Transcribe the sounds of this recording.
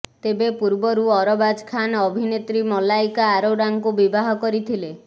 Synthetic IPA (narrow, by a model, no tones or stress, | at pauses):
t̪ebepuɾbɔɾuɔɾɔbad͡ʒkʰanɔbʱinet̪ɾimɔlajkaːɾoɖaŋkubibaɦɔkɔɾit̪ʰile